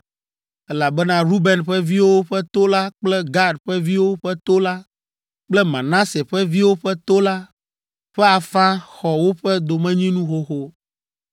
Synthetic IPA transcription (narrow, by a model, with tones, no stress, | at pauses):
ɛ˦la˨bɛ˦nã˦ɾu˦bɛ˨nɸɛ˦vi˦wo˦ɸɛ˦t̪o˦la˦k͡plɛ˦ɡa˦dɸɛ˦vi˦wo˦ɸɛ˦t̪o˦la˦ | k͡plɛ˦mã˨nã˦se˨ɸɛ˦vi˦wo˦ɸɛ˦t̪o˦la˦ | ɸɛ˦a˨fã˦xɔ˨wo˦ɸɛ˦d̪o˨mɛ̃˦ɲĩ˦nũ˦xo˦xo˦